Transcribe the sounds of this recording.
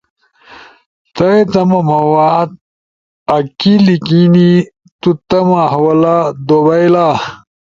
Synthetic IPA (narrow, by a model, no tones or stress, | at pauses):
t̪ɐet̪ɐmɐmɐwaːd̪̚ | ɐkilikini | t̪ut̪ɐmaɦɐwɐlad̪obɐjla